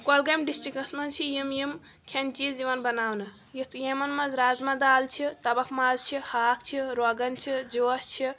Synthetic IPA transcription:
kolɡɐmɖisʈɾikɐsmɐt͡ʃʰijimjim | kʰent͡ʃiziʋɐnbɐnaːwnɨ | jit̪ʰjemɐnmɐzɾaːzmad̪aːlt͡ʃʰit̪ɐbɐkʰmazt͡ʃʰihaːk̚ʰt͡ʃʰiɾoɡɐnt͡ʃʰid͡ʒost͡ʃʰi

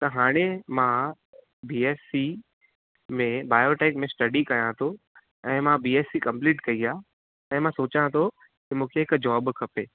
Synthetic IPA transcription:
t̪ɐɦaːɽ̃emã | biːeːsi | mẽbaːjoːʈeːkmẽsʈɐɖikɐjãt̪ʰo | ɛ̃ːmãbiːeːsikɐ̃mpliːʈkɐia | ɛ̃ːmãsoːt͡ɕãt̪ʰo | kimũːkʰeɦɪkd͡ʑɔːbkʰɐpeː

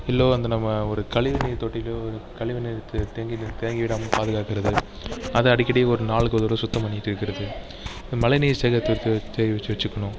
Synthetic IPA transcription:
ɪlːoːɐnd̪ɐnɐmːɐɔɾɯkɐɭɪʋɐniɾt̪oːʈːɪlɔɾɯkɐɭɪʋɪnit̪ːɯt̪eːŋɡɪt̪eːŋɡɪʋɪɽaːmɐpaːðɯɣaːkɪɾɐðɯ | ɐðɯɐɽɪkʲːɐɽɪjeɔɾɯnaːɭɯkːɐðoɾlosʊt̪ːɐmpɐɳnːɪʈːɪɾɯkːɪɾɐðɯ | ɪðɯmɐlɐɪniːɾsɛɣɐt̪ːt̪ːɯt͡ʃːɛʋɐt͡ʃːɯʋɐt͡ʃːɯkːɐɳʊ̃

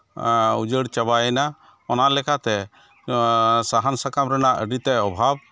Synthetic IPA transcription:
ud͡ʒəɽt͡ʃəbaɛna | ɔnalɛkat̪ɛ | saɦansakamɾɛnaʔəɖit̪ɛɔbʱab̚

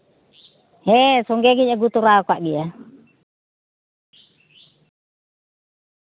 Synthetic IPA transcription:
hɛsɔŋɡɛɡiɲaɡut̪uɾakaʔɡia

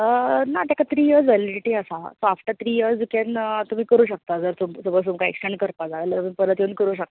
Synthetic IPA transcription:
ənat̪akat̪ʰɾiːjəɾd͡zʋeliɖiʈiːəsasoafʈat̪ʰɾiːjəɾd͡zd͡zukent̪um̤iːkəɾuːɕək̚t̪ad͡zəɾt̪umsəbəlt̪umkaḛksʈeɳɖkəɾpad͡zaʋelət̪pənpəɾət̪jenkəɾuːɕək̚t̪a

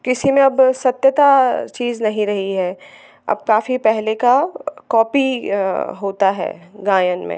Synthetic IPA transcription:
kɪsimẽɐbsɐt̪jət̪at͡ʃiːznɐɦĩɾɐɦiɦɛː | ɐ̰b̚kaːfipɛɦlekakɔːpi | ɦoːt̪aɦɛ̰ːɡaːjənmḛ̃

